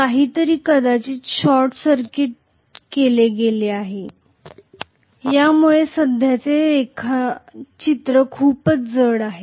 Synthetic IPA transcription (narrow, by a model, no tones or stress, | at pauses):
kaɦiːt̪əɾiːkəd̪at͡ɕiːɕɔɾʈsəɾkiʈ̚ | keleɡeleaɦe | jamuɭesəd̪ʱjat͡seːkʰat͡ɕit̪ɾəkʰuːpət͡sd͡zəɽaɦe